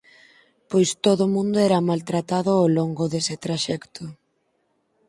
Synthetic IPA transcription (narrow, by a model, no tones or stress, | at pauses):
pojst̪oðʊmũnd̪ʊɛɾamalt̪ɾat̪aðʊoloŋɡʊðesɪt̪ɾaʃɛkt̪ʰʊ